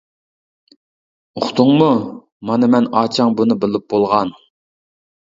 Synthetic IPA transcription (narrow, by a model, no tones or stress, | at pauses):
oχt̪ʰʊŋmu | mɑnɨmɛnɑːt͡ʃʰɑŋbunɨbɪlɪp̚bolˠʁɑn